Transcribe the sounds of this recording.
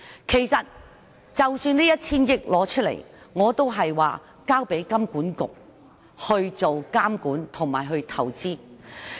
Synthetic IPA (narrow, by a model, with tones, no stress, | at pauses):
kʰe˨˩jsɐ˨t̚ | t͡sɐ˨wsyː˧niː˥jɐ˥t̚t͡sʰiː˥njɪ˥k̚lɔː˨˧˥t͡ʃʰɵ˥lḛ˨˩j | ŋɔː˨˧t̪o˥wɦɐ˨jwa̰ː˨ | kaː˥wpe˨˥jkɐ˥mkuː˨˥nkʊ̰˨k̚ | hɵ˧ɥt͡so˨wkaː˥mkuː˨˥nt̪ʰʊ˨˩ŋmaː˨˩jɦɵ˧ɥt̪ʰɐ˨˩wt͡siː˥